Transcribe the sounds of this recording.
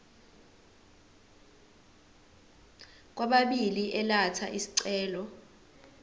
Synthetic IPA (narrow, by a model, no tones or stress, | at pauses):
k̬waɓaɓiliʔɛlatʰa̰ʔisi̥ǀɛːlɔ